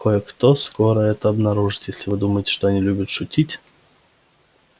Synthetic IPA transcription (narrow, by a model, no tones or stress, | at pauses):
kojəkt̪oskoɾəɛt̪əɐbnɐɾuʐɨ̥t̪jesʲlʲɪvɨd̪uməjɪtʲɪʂt̪oɐnʲilʲʉbʲʊt̪ʂʊtʲitʲ